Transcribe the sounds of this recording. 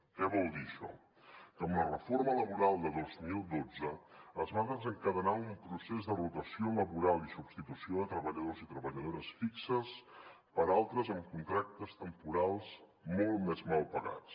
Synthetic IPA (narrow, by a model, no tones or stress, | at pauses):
kɛβɔlˠd̪iəʃɔ̰ | kəmlərəformələβuɾalˠd̪əðozmilˠd̪od͡zəəzβaðəzəŋkəðənaumpɾusezd̪ərut̪əsioləβuɾalˠisubst̪it̪usioðət̪ɾəβəʎəðozit̪ɾəβəʎəðoɾəsfiksəs | pəɾalˠt̪ɾəzəmkunt̪ɾak̚t̪əst̪əmpuɾalˠs | molˠtmɛzmalˠpəɣa̰t͡s